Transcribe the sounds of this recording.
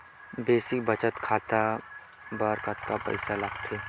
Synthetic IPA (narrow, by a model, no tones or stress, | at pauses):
beːsɪk̚bɐt͡ʃət̪kʰaːt̪a | bɐɾkət̪kapɐ̰ɪsalɐɡt̪ʰeː